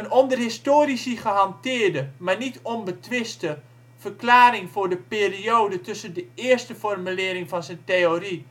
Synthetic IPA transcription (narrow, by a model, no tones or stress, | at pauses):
ənɔndərɦɪstoːrisiχəɦɑntɪːərdəmanitʰonbətʋɪstə | v̥ərklaːɾɪŋfʊːrdəpeːrioːdətɵsəndəɪːərstəfɔrmylɪːɾɪŋfɑnzəjnteori